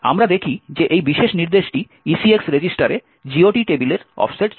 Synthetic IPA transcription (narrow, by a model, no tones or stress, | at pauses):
a̰mɾad̪ekʰid͡ʑeʔejbiʃeʃniɾd̪eʃʈi | isieksɾed͡ʑisʈaɾe | d͡ʑioʈiʈebileɾɔ̰fseʈ